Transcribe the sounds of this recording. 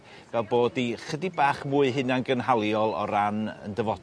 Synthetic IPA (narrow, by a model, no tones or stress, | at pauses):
vɛlˠboːdiχədibaːχmuːɨɦɨnanɡənɦalˠjɔlˠɔ̰ɾanə̰ndəvɔ